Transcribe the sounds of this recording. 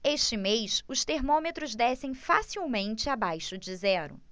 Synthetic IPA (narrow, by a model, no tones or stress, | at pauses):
eʃt͡ʃɪmejsʊst̪eɾmõmet̪ɾʊzd̪ɛsẽj̃fasiwmẽnt͡ʃɪabajʃʊd͡ʒɪzɛɾʊ̰